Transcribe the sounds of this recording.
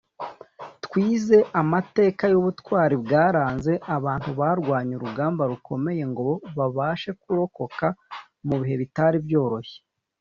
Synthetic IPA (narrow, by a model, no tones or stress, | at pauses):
tkwiːze̞ʔamate̞ːkajuβutwaːɾibɡaːɾaːnze̞ʔaβaːntuβaːɾɡwaːɲuɾuɡaːmbaɾuko̞me̞je̞ŋɡo̞βoβaβaːʃe̞kuɾo̞ko̞ka | muβiɦe̞βitaɾibjo̞ːɾo̞çe̥